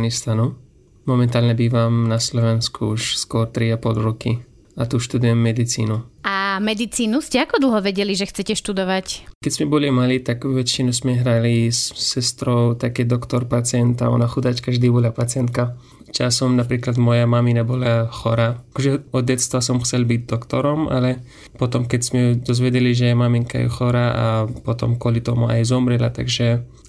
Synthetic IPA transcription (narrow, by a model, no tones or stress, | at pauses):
anist̪anu | mɔmɛnt̪aːlɲɛbiːʋamnaslɔʋɛnskʰuuʃskʊɔɾt̪ɾiapɔlɾɔki | at̪uʃt̪ud̪ujɛmːɛd̪it͡sḭːnuamɛd̪it͡siːnuscɛakɔd̪l̩ˠɦɔʋɛɟɛliʒɛxt͡sɛcɛʃt̪ud̪ɔʋackɛzmɛbɔlimaliːt̪aɡʋɛt͡ʃinusmɛɦɾalisːɛst̪ɾɔʊt̪akɛd̪ɔkt̪ɔɾpat͡sɪɛnt̪a̰ɔ̰naxud̪at͡ʃkaʒd̪iːbɔlapat͡sɪɛnt̪ka | t͡ʃasɔmnapɾiːklad̪mɔjamaminabɔlaxɔɾakɔʒɛɔd̪̚ɟɛt̪st̪ʋasɔmxt͡sɛlbiɟd̪ɔkt̪ɔɾɔmʔa̰lɛ | pɔt̪ɔmkɛczmɛd̪ɔzʋɛɟɛliʒɛmamiŋka̰jɛ̰xɔɾaʔa̰pɔt̪ɔ̰mkwʊɔlit̪ɔmua̰jzɔmɾɛla̰t̪a̰ɡʒɛ